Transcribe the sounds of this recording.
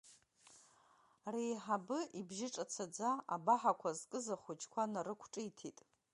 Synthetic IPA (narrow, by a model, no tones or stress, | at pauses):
rijħabɨʔibʒɪʈ͡ʂʼat͡sʰad͡zaa̰baħakʷʰazkʼɨzaχʷut͡ʃʰʼkʷʰanaɾɨkʷʰʈ͡ʂʼɨjtʰitʼ